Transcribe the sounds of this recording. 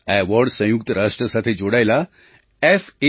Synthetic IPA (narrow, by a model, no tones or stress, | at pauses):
ɛʋɔɾɖsə̃juk̚t̪əɾaʂʈɾəsat̪ʰed͡ʑoɽajla | efe